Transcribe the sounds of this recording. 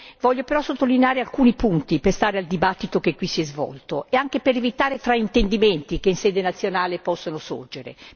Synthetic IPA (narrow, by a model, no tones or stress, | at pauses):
vɔʎːopeɾɔsot̪ːolineaːɾealkuːnipunt̪iperst̪aːɾeald̪ibat̪ːit̪okekwisiɛzvɔ̰lt̪oeaŋk̟epeɾevit̪aːɾet̪ɾaint̪end̪iment̪ikeinseːd̪enat̪sːjonaːlepɔsːonoso̰rd͡ʒeɾḛ